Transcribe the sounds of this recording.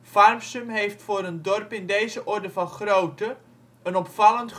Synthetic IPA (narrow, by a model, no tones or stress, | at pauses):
farmsəmɦejftfʊːɾəndɔrpɪndejzəʔɔrdəfɑnχrowtə | ənɔpfɑlˠənt